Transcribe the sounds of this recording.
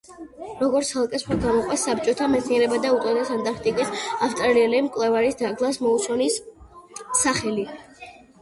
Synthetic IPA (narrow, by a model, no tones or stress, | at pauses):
ɾɔɡɔɾt̪sʰalˠkʼɛsχaɾɡamɔqʼwasːap̚t͡ʃʼɔt̪ʰamɛt̪sʰniɛɾɛbad̪aut̪ʼɔd̪ɛsant̪ʼaɾk̚ʰt̪ʼikʼisaft̪ʼɾaɾiɛlimkʼwlɛvaɾisd̪aɡlˠasmɔut̪sʰɔnisː | aχɛli